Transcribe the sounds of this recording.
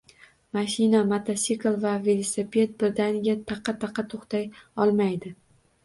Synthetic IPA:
maʃɪnamat̪ʰasiklˠvavelˠosepʰe̞t̪̚bɪɾd̪anɡʲat̪ʰɑqʰːɑt̪ʰɑqʰːɑt̪ʰoχt̪ʰajɒlˠmajd̪ɪ

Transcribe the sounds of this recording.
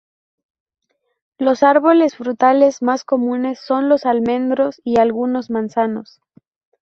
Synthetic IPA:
lo̞saɾβo̞le̞sfɾut̪ale̞zmasko̞mũne̞sːo̞nlo̞salmẽ̞nd̪ɾo̞sialɣuno̞zmãnsano̞̰s

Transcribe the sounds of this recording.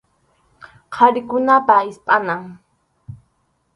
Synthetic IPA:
qʰɑɾɪkʊnapaɪspʼanaŋ

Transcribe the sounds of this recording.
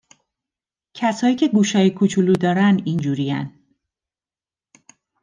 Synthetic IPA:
cʰæshɒːjiːcʰe̞ɡuːʃɒːjekʰut͡ʃʰulud̪ɒːɾænind͡ʒuːɾijæ̰n

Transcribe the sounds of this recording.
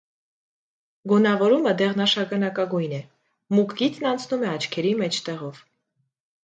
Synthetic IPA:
ɡɔnɑvɔɾuməd̪ɛʁnɑʃɑɡɑnɑkɑɡujnɛ | mukɡit̪nɑnt͡sʰnumɛɑt͡ʃʰkʰɛɾimɛt͡ʃʰt̪ɛʁɔv̥

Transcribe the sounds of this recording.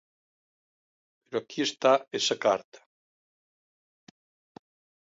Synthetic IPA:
peɾoakʰiest̪aesakaɾt̪ʰḁ

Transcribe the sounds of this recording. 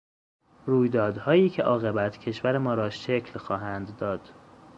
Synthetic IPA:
ruːjd̪ɒːd̪hɒːjiːcʰe̞ʔɒːɣe̞bæt̪ʰcʰe̞ʃvæɾemɒːɾɒːʃecʰlxɒːɦænd̪ːɒːd̪̥

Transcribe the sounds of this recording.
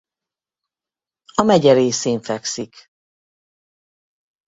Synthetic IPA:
ɒmɛɟɛɾeːseːɱfɛksik

